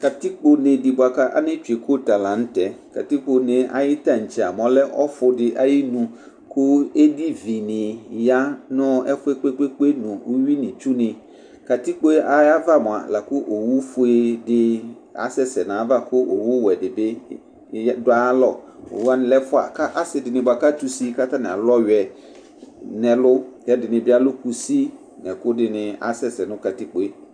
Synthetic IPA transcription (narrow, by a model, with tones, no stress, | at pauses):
ka˨ti˦k͡po˦nɪ̃˨dɪ˨bʊ˨a˨ka˦ʔa̰˦nɪ̃˦t͡ʃᶣu˨e˨kʰo˦ta˨lã˨n̩˦tɛ˨ | ka˨ti˦k͡po˦nɪ̃˦ʔa̰˨jɪ˦tã˦˨ɲ̩˨t͡ɕi˨a˨mɔ̃˨lɛ˦ʔɔ˦fʊ˦dɪ˨ʔa˨jɪ˦nũ˨ | kʰʊ˦e˦di˦vi˨nɪ̃˨ja˦nʊ̃˦ɛ˦fʊ˦e˦k͡pe˦k͡pe˦k͡pe˦nũ˨o˦ɥi˦nɪ̃˨t͡ʃu˦nɪ̃˨ | ka˨ti˦k͡po˦e˦ʔa˨ja˦va˦mʊ̃˨a̰˨la˨kʊ˦ʔo˨wu˦fʊ˨˦e˦dɪ˦ | a̰˦sɛ˦sɛ˨nã˨˦va˦kʊ˦ʔo˨wu˦wɛ˨dɪ˨bɪ˦ | dʊ˦a˦lɔ˦˨o̰˨wu˦a˦nɪ̃˨lɛ˦fʊ˦a̰˨ka˦ʔa˦sɪ˨dɪ˨nɪ̃˨ba˨ka˦tu˦si˦ka˦ta˦nɪ̃˨a˨lɔ˦ɥɛ˨ | nɛ̃˨lʊ˦tɛ˦dɪ˨nɪ̃˨bɪ˦a˦lʊ˦ku˨si˦ | nɛ˨kʊ˦dɪ˨nɪ̃˦a̰˦sɛ˦sɛ˨nʊ̃˦ka˨ti˦k͡po˦e˦